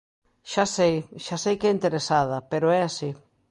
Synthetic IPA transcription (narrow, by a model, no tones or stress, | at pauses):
ʃasejʃasejkɛint̪eɾesað̞ɐpeɾʊɛasi